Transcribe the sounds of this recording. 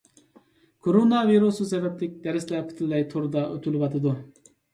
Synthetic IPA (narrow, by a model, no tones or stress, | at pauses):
kʰoɾonɑviɾususɛvɛp̚lɪk̚ʲd̪ɛɾɪslɛpʰi̥t̪ʰɪlːɛjt̪ʰoɾd̪ɑʔøt̪ʰylɪwɑt̪ʰɨd̪u